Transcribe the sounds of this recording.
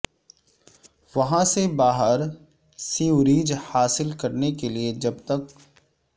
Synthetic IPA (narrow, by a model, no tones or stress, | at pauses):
ʋɐɦãsebaːɦəɾ | siuɾiːd͡ʒhaːsɪlkɐɾnekelied͡ʒɐb̚t̪ɐk